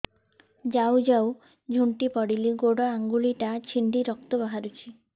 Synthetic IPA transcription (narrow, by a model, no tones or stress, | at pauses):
d͡ʒawd͡ʒaw | d͡ʒʱuɳʈipɔɽiliɡoɽɔaŋɡuɭiʈat͡ʃʰiɳɖiɾɔk̚t̪ɔbaɦaɾut͡ʃʰi